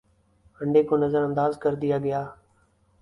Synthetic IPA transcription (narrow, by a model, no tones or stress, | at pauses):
əɳɖeːkoːnəzəɾənd̪aːzkəɾd̪ɪjaːɡɪjaː